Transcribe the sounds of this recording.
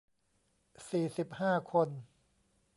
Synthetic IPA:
siː˨˩si˨˩p̚haː˥˩kʰo˧n

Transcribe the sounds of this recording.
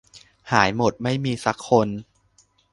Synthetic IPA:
haː˩˦jmo˨˩t̪̚ma˥˩jmiː˧sa˦˥kʰːo˧n

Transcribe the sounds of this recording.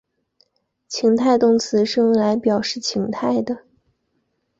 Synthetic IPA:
t͡ɕʰi˧˥ŋt̪ʰa˥˧ɪt̪ʊ˥ŋt͡sʰɹ̩˧˥ʂɻ̩˥˧we˥˩ɪla˧˥ɪpjɑ˨˩ʊʂɻ̩˥˩t͡ɕʰi˧˥ŋt̪ʰa˥˩ɪd̪ə˩

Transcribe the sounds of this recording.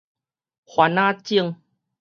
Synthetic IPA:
hwa˧nã˦˧t͡ɕi˥˧əŋ

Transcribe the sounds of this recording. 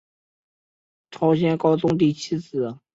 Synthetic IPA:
ʈ͡ʂʰɑ˧˥ʊɕjɛ˥nkɑ˥ʊt͡sʊ˥ŋt̪̬i˥˩t͡ɕʰi˥t͡sɹ̩˨˩˨

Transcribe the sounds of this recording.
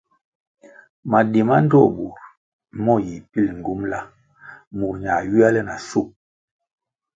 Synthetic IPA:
ma˨di˨ma˦n˦dɔ˦˨bu˨ɾ | mɔ˦˨ji˨pi˦lŋ̩˨ɡu˨˦mla˦ | mu˨ɾɲa˨ɥi˦a˦lɛ˦na˨su˦˨k̚

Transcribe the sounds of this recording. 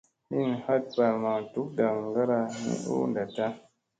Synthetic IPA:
hi˦˨n˨ha˦t̚pa˨ɾma˨tu˨˦k̚ɡa˨ŋɡa˦ɾa˧nḭ˦ʔṵ˦nda˨ta˦

